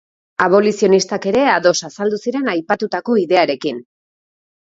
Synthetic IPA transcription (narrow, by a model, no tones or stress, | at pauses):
aβo̞lisio̞nist̪ake̞ɾe̞aðo̞sasald̪usiɾe̞najpat̪ut̪ako̞iðe̞aɾe̞kin